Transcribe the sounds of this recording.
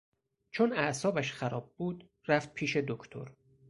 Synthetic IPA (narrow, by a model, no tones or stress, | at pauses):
t͡ʃʰonæʔsɒːbæʃxæɾɒːb̚buːd̪ | ɾæft̪̚pʰiːʃe̞d̪okʰt̪ʰo̰ɾ